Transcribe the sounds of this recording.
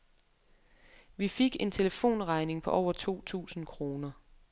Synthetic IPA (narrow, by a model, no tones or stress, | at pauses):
ʋife̝ɡ̥e̝nt͡sʰe̝ləfo̝̰ːnʁɑ̈ɪne̝ŋpʰɒ̽ʔɒʊ̰ɐt͡sʰu̝̰ːt͡sʰṵːsn̩kʰʁo̝ːnɐ